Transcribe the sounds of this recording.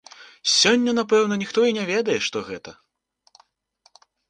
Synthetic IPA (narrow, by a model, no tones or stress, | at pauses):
sʲɔnʲːɐnapɛwnɐnʲixt̪ɔinʲɛvʲɛd̪ɐjɛʂt̪ɔɣɛt̪ɐ